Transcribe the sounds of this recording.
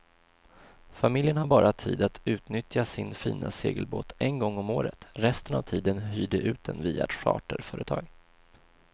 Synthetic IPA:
famɪljənhaɾbɑːɾʔat̪ʰiːd̪at̪ʰʉ̟ːt̪nʏt̪jasɪnfiːnʔaseːɡəlbo̰ːt̪ɛnɡɔŋːɔmoːɾə̰t̪ɾɛst̪ənavt̪ʰiːd̪ənɦyːd̪əʔʉ̟ːt̪̚d̪ɛnviːa̰t̪ɧɑ̰ːʈəɾfœːɾət̪ʰɑːɡ

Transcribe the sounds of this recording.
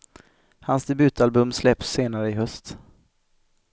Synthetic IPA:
hansd̪ɛbʉ̟ːt̪albɵmslɛpsːeːnaɾəɪɦœst̪

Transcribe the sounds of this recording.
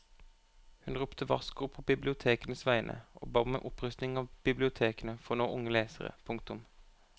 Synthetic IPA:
hʉnʁʊpt̪ʰəʋɑskʊʁpʰoːbɪblɪʊt̪ʰeːkənəsʋæɪənʔə̰ʔo̰ːbɑːmḛːʔʊpʁʉst̪nɪŋɑːʋb̥ɪblɪʊt̪ʰeːkənəfɔnoːʔʊŋəleːsəʁə̰pʰʊŋk̚t̪ʊm

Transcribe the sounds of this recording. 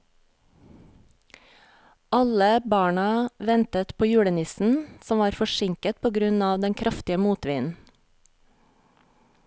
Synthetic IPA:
ʔɑləbɑːɳɑʋɛnt̪ət̪pʰoːjʉːɽənɪsn̩sɔmʋɑːɾfɔʃɪŋkət̪̚pʰoːɡɾʉnɑːʋd̪ɛŋkʰɾʔɑft̪ɪəmuːt̪ʋiːnn̩

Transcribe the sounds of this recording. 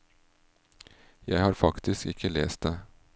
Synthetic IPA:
jæɪhɑːɾfɑkt̪ʰɪskɪkʰəleːst̪̚d̪eː

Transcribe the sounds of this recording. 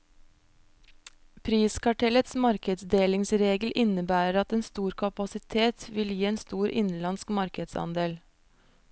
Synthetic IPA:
pʰɾiːskɑʈʰɛlət̪smɑɾkəd̪sd̪eːlɪŋsɾeːɡl̩ʔɪnəbæːɾəɾɑt̪eːnst̪uːɾkʰɑpɑsɪt̪ʰeːt̪ʋɪljiːeːnst̪uːɾʔɪ̰nlɑnskmɑɾkəd̪sɑ̰nd̪eːl

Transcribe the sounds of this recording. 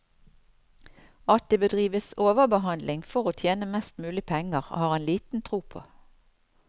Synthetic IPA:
ɑt̪ɪbəd̪ʁiːʋəsoːʋəbəɦɑnd̪lɪŋfɔʁoːt̪ʰjeːnəmɛst̪mʉːlɪpʰɛŋəʁo̰ːhɑːʁeːnliːt̪n̩t̪ʰʁuːpʰo̰ː

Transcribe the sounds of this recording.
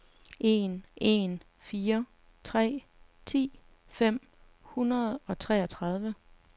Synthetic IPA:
ʔe̝nʔe̝n | fiːɐ | t͡sʰʁɛ̰ː | t͡sʰḭː | fem̰ | hunɐð̞̩ˠɒ̽t͡sʰʁɛːɒ̽t͡sʰʁɑ̈ð̞ˠʋə

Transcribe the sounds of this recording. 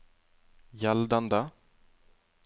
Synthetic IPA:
jɛld̪and̪ə

